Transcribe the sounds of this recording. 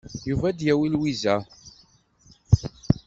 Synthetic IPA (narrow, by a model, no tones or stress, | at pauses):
juvæd̪jæwilwizæ